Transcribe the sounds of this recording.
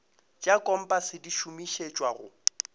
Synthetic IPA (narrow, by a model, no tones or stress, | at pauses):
t͡ʃʼakʼɔm̩pʼasɪdiʃumiʃet͡ʃʼwaɣʊ̰